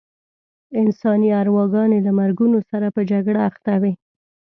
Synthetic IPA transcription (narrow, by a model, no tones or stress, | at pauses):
ɪnsɑniaɾwɑɡɑnelamaɾɡunosaɾapəd͡ʒaɡɽaːxt̪awi